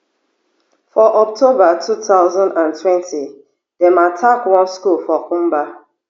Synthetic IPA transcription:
fɔʔɔk̚tʰobatʰutaʊzɔ̃ndãntwɛ̃ntʰi | dɛmatʰakwɔ̃nskulfɔkũmba

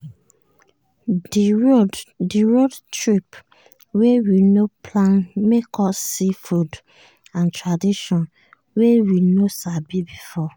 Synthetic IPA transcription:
odiɹodtɹip | wewinopʰlãnmekʰɔsifud | ãntɹadiʃɔ̃n | wewinosabibifɔ

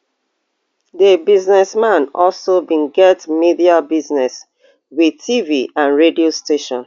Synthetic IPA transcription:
ðəbiznɛsmãnɔlsobĩnɡɛtmidiabiznɛs | wiðtʰiviãnɹediosteʃɔ̃n

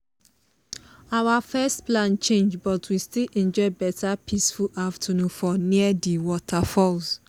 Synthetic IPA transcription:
awafɛstplãnt͡ʃẽnd͡ʒbɔtʰwistilĩnd͡ʒɔɪbɛtʰapʰisfuʔaftʰanũfɔnĩadiwɔtʰafɔlz

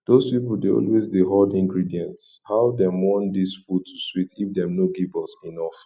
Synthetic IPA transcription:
d̥ospipl̩deɔ̰lwezdeɦɔdĩŋɡɹidiɛ̃ntshaʊdɛ̃mwɔ̃ndisfud̚tʰuswitifdɛ̃mnoɡivɔsinɔf

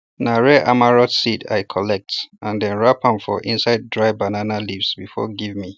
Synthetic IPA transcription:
naɹɛʔamaɹɔtsida̰ɪkʰɔlɛk̚tʔãndɛ̃nɹapãɱfɔ̰ʔĩnsaɪd̚ːɹaɪbananalivsbifɔ̰ɡivmi

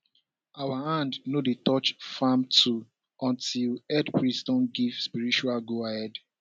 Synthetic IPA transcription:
awaãndnodetɔt͡ʃfamtʰu | ɔ̃ntilɛdpɹistɔ̃nɡivspiɹit͡ʃualɡoahɛd

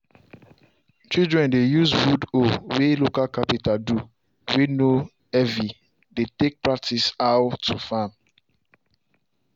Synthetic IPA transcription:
t͡ʃildɹɛ̃ndejuzfudowelokalkapitaldu | weno | ɛvi | detek̚pɹak̚tisaʊtʰːufam

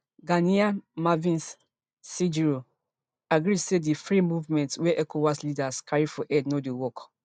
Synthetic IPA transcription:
ɡaniamavĩnsː | id͡ʒiɹo | aɡɹidsedifɹimuvmɛ̃ntwɛʔɛkʰowaslidaskʰaɹifɔʔɛdnodewɔk

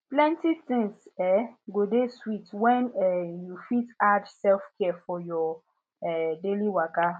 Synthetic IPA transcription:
plɛ̃ntiθɪ̃ŋsɛɡodeswitwɛ̃nɛjufitad͡ʒsɛlfkɛɛfɔjɔ | ɛdeliwaka

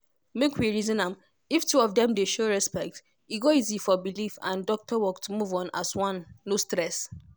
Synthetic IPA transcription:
mekʰwiɹizɔ̃nãm | iftuɔfdɛ̃mdeʃoɹɛspɛk̚t | iɡɔizifɔbilifã̰ndɔk̚tʰɔwɔk̚tmuvɔ̃naswɔ̃nːostɹɛs

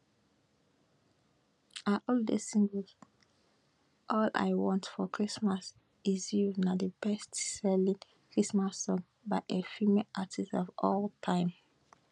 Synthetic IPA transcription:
aʔɔldḛsĩŋɡə | ʔɔla̰ɪwɔ̃ntfɔkʰɹismas | izjunadəbɛstsɛlĩn | kʰɹismasːɔ̃ŋ | baɪʔefimeʔatʰistɔvɔltʰãɪ̃m

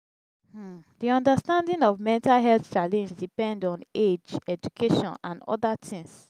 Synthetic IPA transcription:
diɔ̃ndastãndĩŋɔvmɛ̃ntalɦɛlθt͡ʃalɛ̃nd͡ʒdipɛ̃ndɔ̃ned͡ʒɛd͡ʒukʰeʃɔ̰̃nãnɔ̰datʰĩŋs

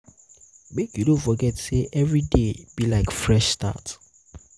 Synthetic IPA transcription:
mekjudõnfɔɡɛtseʔɛvɹideb̥ilaɪkfɹɛʃsta̰t

